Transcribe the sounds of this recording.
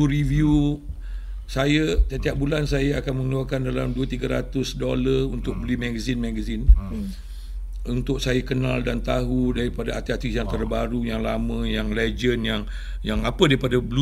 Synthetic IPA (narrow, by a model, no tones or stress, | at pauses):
uɾivu | sajət̪iat̪iaʔ̚bulansajəakanmə̃ŋəluarkandala̰mduət̪iɡaɾa̰t̪ʊsdolərunt̪ʊk̚bəlimãɡəzinmaɡəzin | unt̪ʊksajəkənaldant̪aɦudaɾipadaat̪iat̪isjaŋt̪ərbaɾujaŋlamə̃jaŋled͡ʒənjaŋ | jaŋapədaɾipadabəlu